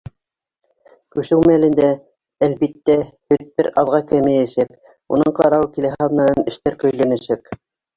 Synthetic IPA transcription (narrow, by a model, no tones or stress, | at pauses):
kʉʃɘwmælɘ̆nd̪æ | ælbit̪ːæhɵt̪̚bɘɾɑðʁɑkæmɘjæsæk̚ | ṵnɤɴqɑɾɑwkilæɦɑðnɑɾɤnɘ̆ʃt̪æɾkɵ̆jlæ̆nɘ̆ʃæk